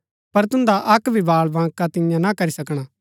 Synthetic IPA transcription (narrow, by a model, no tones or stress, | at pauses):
pɐɾt̪ʊ̃nd̪aʔɐkbʱibaːɭbãːkat̪ɪ̃jãnakɐɾisɐkɽ̃a